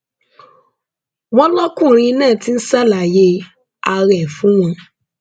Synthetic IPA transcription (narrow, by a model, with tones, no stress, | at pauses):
wɔ̃˦lɔ˦kũ˦˨ɾ̃ĩ˧˦nɛ̃ː˦˨ti˦n̩˦sa˦˨la˨je˦ | a˧ɾɛ˨fũ˨˦w̃ɔ̃˧